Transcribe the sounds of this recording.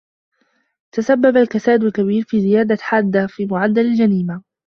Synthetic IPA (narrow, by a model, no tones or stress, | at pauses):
t̪asabːabalkasaːʔd̪alkabiːɾfiːzɪjaːd̪aħaːd̪ːafiːmʊʕad̪ːalald͡ʒaniːma